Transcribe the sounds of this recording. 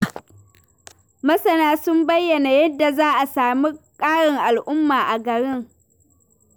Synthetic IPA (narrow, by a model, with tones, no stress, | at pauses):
mɐ˦sɐ˦˨naː˦sʊ˦mbɐ˦jːɐ˨na˨jɐ˦dːa˨zaː˦ʔa˨saː˨mi˦kʼaː˦ɽɪ˨ŋʔa˨lʔʊ˦mːaː˨ʔa˨ɡɐ˨ɽɪ˦ŋ